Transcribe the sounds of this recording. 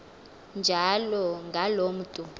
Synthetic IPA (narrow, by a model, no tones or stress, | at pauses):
nd͡ʒʱalɔŋɡʱalom̩tʼu